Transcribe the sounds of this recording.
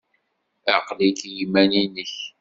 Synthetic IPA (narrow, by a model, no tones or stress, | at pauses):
æqlikjimæninəç